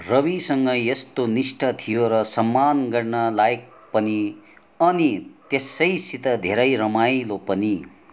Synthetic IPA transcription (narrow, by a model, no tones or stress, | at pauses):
rʌbisʌŋɡʌjʌst̪onisʈʰʌt̪ʰijoɾʌsʌmːanɡʌrnʌlaek̚ | pʌni | ʌnit̪esʌjsit̪ʌd̪ʱeɾʌjɾʌmajlopʌni